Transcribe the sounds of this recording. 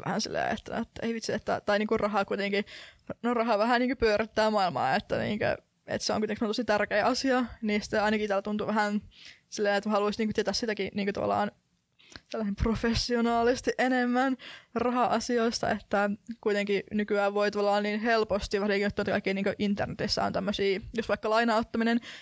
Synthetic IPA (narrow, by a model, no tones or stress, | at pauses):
ʋæ̰hæ̰nsḭlːḛːḛt̪ːæ̰no̰t̪ːeiʋit̪siet̪ːæ̰t̪ɑiniːŋkurrʔɑɦɑkuit̪eŋkinorɑɦɑʋæɦæniːŋkøpyøɾit̪ːæːmɑilmɑ̰ːet̪ːæ̰nḭːŋkø̰ | ḛt̪seo̰ŋkuit̪eŋksemnt̪osit̪ærkeːʔɑsiɑnisi̥t̪ːeɑinɑkit̪æːlːt̪unt̪uʋæɦænsilːeːnet̪hɑluisniːkøt̪iet̪æsit̪ækiniːŋkøt̪ɑʋɑ̰lːˑɑ̰ːn | selːɑsemprofesːionɑːlist̪iʔenemːænrɑɦɑʔɑsioist̪ɑ̰et̪ːækuit̪eŋkinykyæːʋʋoit̪uʋɑlːɑːnniːnhelpost̪iʋɑsikiot̪ːuet̪kɑikːiːniːŋkøʔint̪ːḛrnet̪isːæ̰o̰nt̪æmːøsiːjosʋɑikːɑlɑinɑot̪ːɑminen